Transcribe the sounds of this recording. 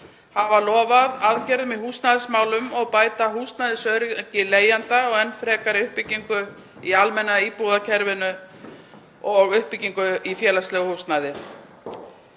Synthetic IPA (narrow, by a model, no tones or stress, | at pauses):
havalɔːvaðaðcɛɾðmɛðhuːst̪naðɪsmaːwlʏmɔɣpaːjt̪aɦuːst̪najðɪsœɾcɪleːjant̪aɔɣɛnːfɾɛːkaɾɪʏhpiciŋkʏ | ialmɛnːaipuːðacʰɛɾvɪnʏ | ɔɣʏhpicːiŋkʏifjɛːlast̪lɛɣʏhust̪naðɪ